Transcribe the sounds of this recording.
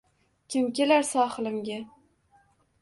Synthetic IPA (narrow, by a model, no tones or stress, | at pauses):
kʲɪmkʲelaɾsɒχlˠɪmɡʲa